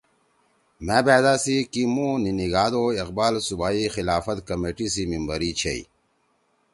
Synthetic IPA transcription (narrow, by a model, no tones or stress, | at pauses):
meːbæːd̪aːsikimũniniɡaːd̪oiq̚baːlsubaːixilaːfɐt̪kɐmeːʈisimimbɐɾit͡ɕʰḛḭ